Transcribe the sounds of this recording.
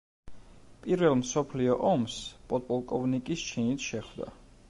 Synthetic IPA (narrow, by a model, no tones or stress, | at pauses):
pʼiɾvɛlˠmsɔpʰliɔʔɔmspʼɔt̪ʼpʼɔlˠkʼɔvnikʼist͡ʃʰinit̪ʰʃɛχvd̪a̰